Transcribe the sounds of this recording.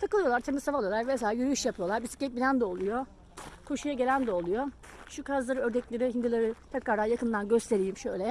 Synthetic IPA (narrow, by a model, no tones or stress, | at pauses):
t̪ʰakɯlˠɯjolˠaɾt̪ʰe̞mizsavalˠɯjolˠaɾves̬elʲajyɾyjyʃjapʰɯjolˠaɾbisi̥cːɛt̪̚binʲænd̪ɛolˠujo | kʰo̞ʃujaɟe̞lʲænd̪ɛolˠujo | ʃukʰazlˠaɾɯøɾd̪ɛclʲeɾihind̪ilˠaɾɯt̪ʰɛkɾaɾd̪anjakɯnd̪anɟø̞st̪ʰe̞ɾijimʃøjlʲɛ